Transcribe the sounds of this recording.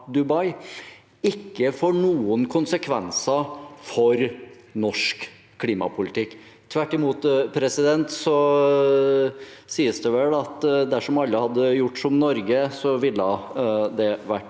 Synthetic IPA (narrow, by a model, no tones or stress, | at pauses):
d̪ʉbɑɪ | ɪkːəfoːɳuːənkʰʊnsəkʰʋɛ̰nsɑfɔɾ | nɔʂk | kʰːliːmɑ̰pʰʊlɪt̪ʰɪkː | t̪ʰʋæʈːɪmuːt̪pʰɾɛsɪd̪ɛnt̪sɔ | siːəsd̪ɛʋɛlɑt̪d̪æʂɔmɑlːəhɑd̪ːəjʊʈːsɔmnɔɾɡəsɔʋɪlːəd̪ɛʋæʈː